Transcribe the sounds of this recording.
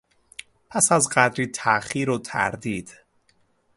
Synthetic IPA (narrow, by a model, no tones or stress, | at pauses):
pʰæsæzɢæd̪ɾiːt̪ʰæχiːɾot̪ʰæ̰ɾd̪iːd̪̥